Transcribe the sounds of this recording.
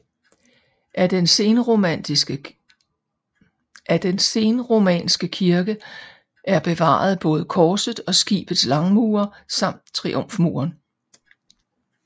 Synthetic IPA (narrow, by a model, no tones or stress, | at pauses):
nn | ʔæd̥ense̝nəʁo̝mɛ̰ːnsɡ̥əkʰiɐɡ̥ə | ʔæɐb̥e̝ʋɑ̰̈ːð̞̩ˠb̥ɔ̽ːð̞ˠəkʰɒːsəð̩ˠɒ̽sɡ̥ḭːb̥əð̩ˠslɑ̈ŋmuːɐsɑ̈m̰d̥̚t͡sʰʁiʔom̰fmṵːɐn